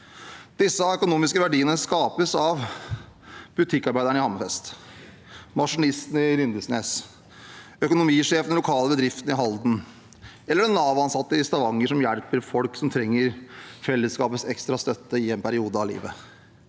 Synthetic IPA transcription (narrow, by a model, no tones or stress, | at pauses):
d̪̥ɪsːəœkʊnuːmɪskəʋæɖiːənəskɑːpəsɑʋ | b̥ʉt̪ʰɪkːɑɾbæɪd̪əɳəɪhɑməfɛst̪ | mɑʂʊnɪst̪n̩ɪɾʏnd̪əsneːs | œkʊnʊmiːʂeːfnnlʊkʰɑːləbəd̪ɾɪft̪ən̩ɪɦɑld̪n̩ | ɛlːəɖɛnɑːʋɑnsɑt̪ːəɪst̪ɑʋɑŋːəʂɔmjæɽpəɾfɔlksɔmt̪ʰɾɛŋːəɾfɛlːəskɑːpət̪sɛkst̪ɾɑst̪œt̪ːəɪɛnpʰæɾɪuːd̪əɑʋlḭːʋə